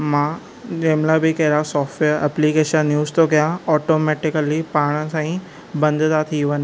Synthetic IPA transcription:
mãː | d͡ʑeːmlabɪkɐɦɪɾasɔːfʈʋeːɾɛplikeːʃənːjuːzt̪ʰokɐjãɔːʈoːmeːʈɪkəlipaːɽ̃əsãːĩ | bɐ̃nd̪ʱt̪at̪ʰiʋɐnɪ

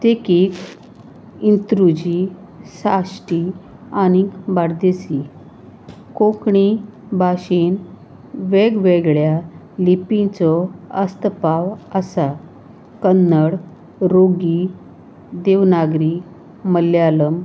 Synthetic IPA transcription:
t̪ekiːk | int̪ɾud͡ʑi | sasʈi | añikbaɽd̪esi | kõkɳi | baɕin | ʋeɡʋeɡɭja | lipĩt͡sɔəst̪əpaʋəsa | kənːəɽ | ɾoɡi | d̪eʋnaɡɾi | məlːjaləm

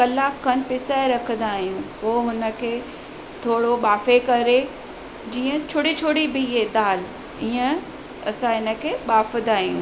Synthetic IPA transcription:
kɐlaːkʰːənpɪsaeɾɐkʰə̃nd̪aːɦijũːpoːɦʊnə̆kʰeː | t̪ʰoːɽoɓaːfekɐɾe | d͡ʑiːə̃t͡ɕʰʊɽit͡ɕʰoɽibɪɦeɗ̪aːl | iːə̃ | ɐsãɦɪnə̆kʰeːɓaːfnd̪aːɦijũː

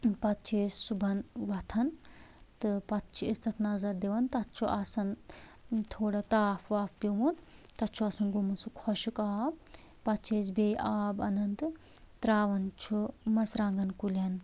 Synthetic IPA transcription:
pɐt̪̚t͡ʃʰeːssubʱɐnʋɐt̪ʰɐnt̪ɨpɐt̪t͡ʃʰiest̪ɐt̪ʰnɐzɐɾd̪eʋɐnt̪ɐt̪t͡ʃʰuʔɐsɐn | t̪ʰoːɽɐt̪aːpʰʋaːfpiʋunt̪ɐt̪t͡ʃʰuɐsɐnɡumɐnsukʰɔʃukaːb | pɐt̪t͡ʃʰeːsbeːʔaːbɐ̰nɐnd̪ɨ | t̪ɾaːʋɐnt͡ʃʰumɐsɾaːŋɡɐnkulʲɐn

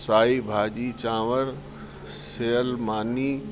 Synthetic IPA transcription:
saːibʱaːd͡ʑiːt͡ɕãːʋəɾ | seːəlmaːniː

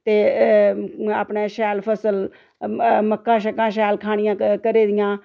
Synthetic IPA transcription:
t̪eː | aːpɳẽːʃɛːlpʰəsəl | məkːãːʃəkãːʃ̬ɛːlkʰaːɽ̃ɪjãːkəɾeːd̪ɪjãː

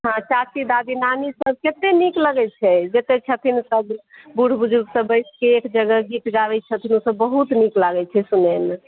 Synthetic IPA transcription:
ɦãt͡ʃat͡ʃid̪ad̪inanisəb̚ket̪enikləɡɛt͡ʃʰɛd͡ʒet̪et͡ʃʰət̪ʰinsəbbuɽ̤bud͡ʒuɡsəbəjskeːkd͡ʒəɡəɡit̪ɡaʋɛt͡ʃʰət̪ʰinusəbːəɦut̪niklaɡɛt͡ʃʰɛsunɛn

